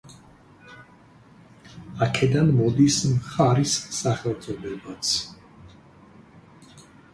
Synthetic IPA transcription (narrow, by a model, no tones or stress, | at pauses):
akʰɛd̪anmɔd̪ismχaɾisːaχɛlˠzʼɔd̪ɛbat̪sʰ